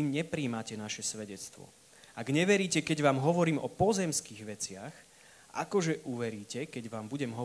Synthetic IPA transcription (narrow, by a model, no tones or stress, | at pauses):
ɲɛpɾiːmacɛnaʃɛsʋɛɟɛt͡st̪ʋɔ̰ | aɡɲɛʋɛɾiːcɛkɛɟʋaːmɦɔʋɔɾiːmɔpɔzɛmskiːɣʋɛt͡sɪax | ʔa̰kɔʒɛʔuʋɛɾiːcɛkɛɟʋaːmbuɟɛmɦɔ